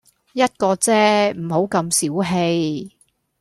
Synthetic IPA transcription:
jɐ˥t̚kɔː˧t͡sɛː˥m̩˨˩ho˨˥wkɐ˧msiː˨˥wɦe˧j

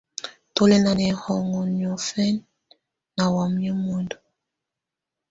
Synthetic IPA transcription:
to˦le˦na˨nɛ˨hɔ˨ŋɔ˨njɔ˨fɛ˦n | na˨wa˨mjɛ˦mo˨ndo˨

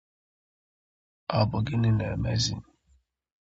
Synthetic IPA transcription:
a˨bʊ˨ɡɪ˦nɪ˦nɛ˨me˦zḭ˦n˨

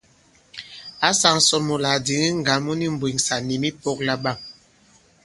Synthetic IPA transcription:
a˨˦sa˨ŋsɔ˨lmo˨la˨di˨˦ŋi˦ŋ˨ɡa˨˦lmɔ˦ni˦m̩˨bwi˨ŋsa˨ni˨mi˦pɔ˦k̚la˦ɓa˦˨m

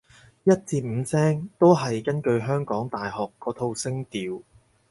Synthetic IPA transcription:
jɐ˥t̚t͡siː˧t̚m̩ː˨˧sɛː˥ŋt̪o˥wɦɐ˨jkɐ˥nkɵ˧ɥɦœː˥ŋkɔː˨˥ŋt̪aː˨jɦɔː˨kːɔː˨˧˥t̪ʰo˧wsɪ˥ŋt̪iː˨w

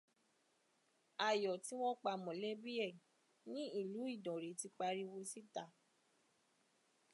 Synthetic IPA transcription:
a˨jɔ˨ti˨˦wɔ̃˦k͡pa˧mɔ̃˨le˦bi˦ɛ˦˨ | nĩ˦i˦˨lu˨˦i˦˨dɔ̃˨ɾe˨˦ti˧k͡pa˧ɾi˧wo˧si˦ta˧˨

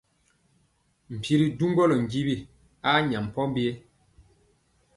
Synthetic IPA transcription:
m̩˨pi˦ɾi˨du˦ŋɡɔ˦lɔ˨ŋ˨ɡi˦bi˦˨ | a˦ɲa˨m̩˨pɔ˦m˦bje˦

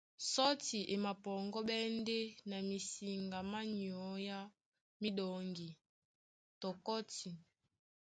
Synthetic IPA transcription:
sɔ˦ti˨ʔe˨ma˨pɔ˨ŋɡɔ˦ɓɛ˦nde˦na˨mi˨si˨ŋɡa˨ma˦ni˨ɔ˨˦ja˦ | mi˦ɗɔ˨ŋɡi˨ | tɔ˨kɔ˦ti˨

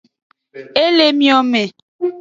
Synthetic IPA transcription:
e˦le˦mjɔ˦me˨

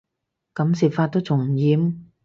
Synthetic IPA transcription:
kɐ˨˧˥msiː˨˩p̚faː˧t̚t̪o˥wt͡sʰʊ˨˩ŋ˨jiː˨˥m

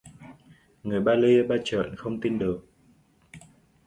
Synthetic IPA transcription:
ŋɨ˨˩əjɓaː˧li˧ɓaː˧t͡ɕə̰ː˧˨nxə˧wŋ͡mt̪i˧nɗɨ˨˩ək̚

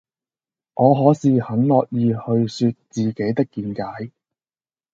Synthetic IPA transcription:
ʔɔː˨˧ɦɔː˨˥siː˨˧hɐ˨˥nlɔː˨k̚jiː˧hɵ˧ɥsyː˧t̚t͡siː˨˩ke˨˥jt̪ɪ˥kːiː˨˧nkaː˨˥j

